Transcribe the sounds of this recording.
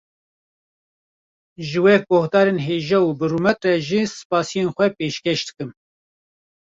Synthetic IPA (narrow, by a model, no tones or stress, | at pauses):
ʒɨwɛjɛk̚bɔhd̪ɑːɾenɦeːʒɛubɨruːmɛt̪rɛʒisɨ̥pɑːsijenxʷɛpeːʃkeʃd̪ɨkɨm